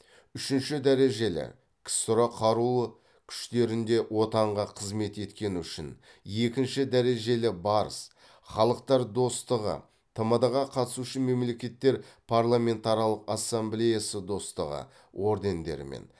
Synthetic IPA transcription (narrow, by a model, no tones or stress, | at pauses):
ʏʃɪnʃɪd̪æɾe̞ʒe̞lɪ̰ | kʲʰɪ̥st̪ʊɾɑqʰɑɾulˠə | kʲʰʏ̥ʃt̪e̞ɾɪnd̪e̞wo̞t̪ɑɴʁɑqʰəzme̞t̪e̞t̪kʲe̞nɪʏʃɪ̰n | je̞kʲɪnʃɪd̪æɾe̞ʒe̞lɪbɑɾə̰s | χɑlˠəq̚t̪ɑɾd̪o̞st̪əʁə̰ | t̪ʰəməd̪ɑʁɑqʰɑt̪əsuʃəme̞mle̞kʲe̞t̪ːe̞ɾpʰaɾlˠame̞nt̪aɾijalˠəqasːemblejasəd̪o̞st̪əʁə̰ | wʔo̞ɾd̪e̞nd̪e̞̰ɾɪ̰mḛn